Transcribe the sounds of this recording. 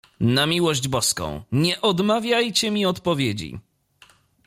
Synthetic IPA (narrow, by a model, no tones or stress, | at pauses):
namʲiwɔʑd͡ʑbɔskɔ̰̃w̃ɲɛʔɔd̪mavʲjajt͡ɕɛmʲiɔt̪pɔvʲjed͡ʑḭ